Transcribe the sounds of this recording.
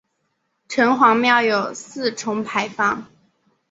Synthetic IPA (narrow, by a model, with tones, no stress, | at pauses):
ʈ͡ʂʰɤ˧˥ŋxwɑ˧˥ŋmjɑ˥˩ʊjo˨˩ʊsɹ̩˥˩ʈ͡ʂʰʊ˧˥ŋpʰa˧˥ɪfɑ˥˩ŋ